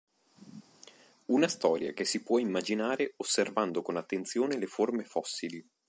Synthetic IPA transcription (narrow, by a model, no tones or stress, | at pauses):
unast̪ɔːɾja̰kesːipwɔimːad͡ʒinaːɾeosːervand̪okonat̪ːent̪sjoːneleformefɔsːili